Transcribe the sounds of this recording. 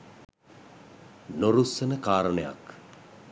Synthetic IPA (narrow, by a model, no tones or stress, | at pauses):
noɾusənəkaːɾəɳəja̰k